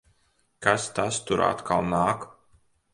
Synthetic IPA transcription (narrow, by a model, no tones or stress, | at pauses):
kast̪ast̪uɾa̰t̪kʰalˠnaːk